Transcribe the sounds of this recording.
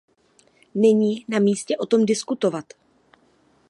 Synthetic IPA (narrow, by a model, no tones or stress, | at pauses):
nɪɲiːnamiːscɛʔo̞t̪o̞mdɪskut̪o̞vat̪